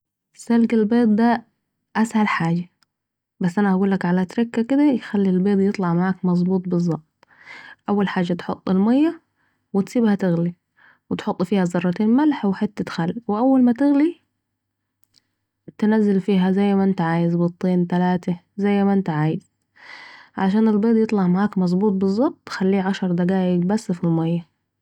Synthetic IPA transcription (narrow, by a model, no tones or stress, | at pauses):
salɡalbeːt̪̚ˤd̪a | ʔashalħaːd͡ʒa | basːʔanaʔaɡuːlːakʕalat̪ɾɪkːakɪd̪ajxalːilbeːd̪ˤjɨt̪ˤlɑʕmaʕaːkmɑzˤbuːt̪ˤbɨzˤːɑʔt̪̚ˤ | ʔawːalħaːd͡ʒːat̪ħo̰t̪ˤːɪlmajːa | wɪt̪siːbhat̪ɪɣli | wɪt̪ħot̪ˤːfiːhazɑrˤːɑt̪eːnmalħwɪħɪt̪ːat̪xalːwɪʔawːalmat̪ɪɣli | t̪nazːɪlfiːɦazajːmaʔɪnt̪aʕaːjɪzbɨt̪ˤːeːnt̪alaːt̪azajːmaʔɪnt̪aʕaːjɪz̥ | ʕaʃ̬aːnɪlbeːd̪ˤjɨt̪ˤlɑʕmaʕaːkmɑzˤbuːt̪̚ˤbɨzˤːɑb̚t̪ˤːxalːiːʕaʃɑɾˤd̪aɡaːʔɪɡbasːfilmajːa